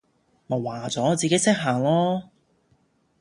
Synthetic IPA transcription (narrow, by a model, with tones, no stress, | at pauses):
mo˨˩waː˨˩t͡sɔː˨˥t͡siː˨ke˨˥jsɪ˥k̚ɦaː˨˩ŋlɔː˥